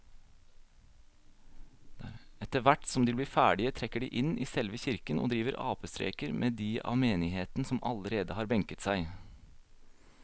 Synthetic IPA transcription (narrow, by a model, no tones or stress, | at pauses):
ɛt̪əʋæʈsɔmd̪iːb̪iːfæːɖɪət̪ʰɾɛkːəɖḭːʔɪnʔiːsɛlʋəçɪɾkənʔo̰ːd̪ɾiːʋəɾʔɑ̰ːpəst̪ɾḛːkəɾmʔeːd̪iːʔɑ̰ːʋmeːnɪheːt̪n̩sɔmʔɑləɾeːd̪əhɑːɾbɛŋkət̪sæɪ